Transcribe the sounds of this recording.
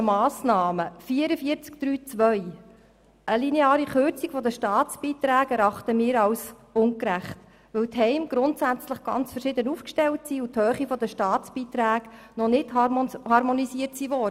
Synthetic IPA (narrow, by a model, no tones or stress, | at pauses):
mɑːsnɑːməfiːəɾəfiəɾt͡sk̚d̥ɾyːt͡sʋœj | ʔəlineɑːɾiχøɾt͡sikfɔd̪əʃtɑːt͡sb̥iːt̪ɾæːkɛɾɑχt̪əmiːɾɑws | ʊnkɾæχt | ʋɵwtɦɛɪmɡ̥ɾʊntsæt͡sləχɡ̥ɑ̰nt͡sfəɾʃɪd̪ənufkʃtɛltsiːuthøːχifɔd̪əʃtɑːt͡sb̥iːt̪ɾæːɡ | nɔnɪthɑhɑɾmɔnisiəɾtsiʋɔdə